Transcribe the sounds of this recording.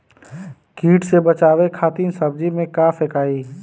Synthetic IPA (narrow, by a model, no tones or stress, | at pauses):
kiːʈsebət͡ʃaːʋekʰaːt̪iːnsɐb̚d͡ʒimẽkaːfekaːi